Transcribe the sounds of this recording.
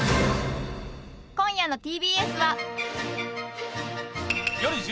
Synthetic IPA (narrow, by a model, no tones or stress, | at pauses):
kõ̞ɰ̃jano̞t̪ʲiːbʲiːesɨβa | joɾʲiʑ